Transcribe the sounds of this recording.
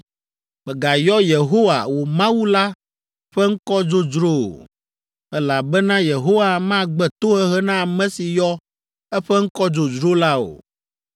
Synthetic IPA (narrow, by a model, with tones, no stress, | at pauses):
mɛ̃˨ɡa˨jɔ˦je˨ɦo˦wa̰˨wo˨mã˦wu˦la˦ | ɸɛ˦ŋ̩˦kɔ˦d͡ʒo˦d͡ʒɾo˦o̰˨ | ɛ˦la˨bɛ˦nã˦je˨ɦo˦wa˦mã˦ɡ͡bɛ˦˨t̪o˦ɦɛ˦ɦɛ˦nã˦a˨mɛ̃˦si˨jɔ˦ | ɛ˦ɸɛ˦ŋ̩˦kɔ˦d͡ʒo˨d͡ʒɾo˦la˦o̰˨